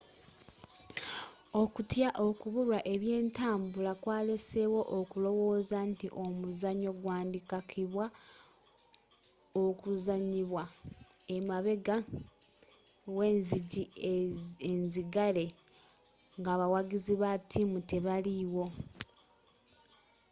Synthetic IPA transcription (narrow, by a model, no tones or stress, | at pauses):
o̞kutjaʔo̞kuβuɾwaʔe̞βje̞ːntaːmbulakwaːlesewo̞ʔokulo̞wo̞ːzantiʔo̞muzaɲo̞ɡwaːndikakʰiβwa | okuzaɲiβwaemaβe̞ɡa | we̞ːnziɟi | enziɡale̞ | ŋɡaːβawaɡiziβatʰimute̞βaliwo̞